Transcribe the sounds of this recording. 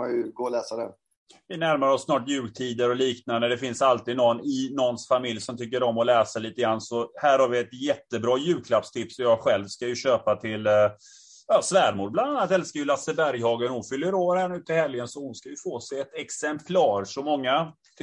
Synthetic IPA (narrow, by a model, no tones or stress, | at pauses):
ajɡoːlɛːsad̪ɛ̰ | vɪnæɾmaɾəɔsːnɑːʈjʉ̟ːɡt̪ʰiːd̪əɾɔliːknand̪əd̪ɛfɪnsalt̪iːd̪nɔnːɪnɔnsfamɪljsɔmt̪ʰʏk̬ːəɾɔmːɔlɛːsaliːt̪əɡɾansɔhæːɾhaɾvɪɛt̪jɛt̪ːəbɾɑːjʉ̟ːkʰlapst̪ʰɪpsɔjɑːɡɧɛlvskajɵɕøːpat̪ʰɪl | jɑːsvæːɾmuːɖ̚bland̪anːat̪ɛlskajɵlasəbæɾjhɑːɡənhʊnfʏlːəɾoːɾhæːɳʉ̟ːt̪ɪhɛljənsɔhʊnskajɵfoːsɛɛt̪ɛksɛmpʰlɑːɾʂɔmɔŋːa